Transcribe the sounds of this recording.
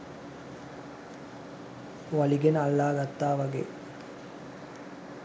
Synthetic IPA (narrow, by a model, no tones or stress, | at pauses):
ʋɐliɡenɐlːaːɡɐt̪ːaːʋɐɡḛ